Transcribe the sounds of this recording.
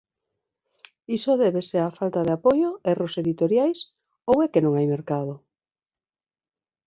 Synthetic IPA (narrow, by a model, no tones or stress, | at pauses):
isoðɛβeseafalt̪aðeapojoɛroseðit̪oɾjajs | owɛkenõŋajmeɾkað̞o